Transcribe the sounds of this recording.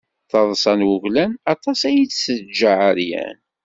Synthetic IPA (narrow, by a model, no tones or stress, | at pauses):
θɑðˤsˤɑnwʊʝlænɑt̪ˤɑsæjisəd͡ʒːaʕəɾjæ̰n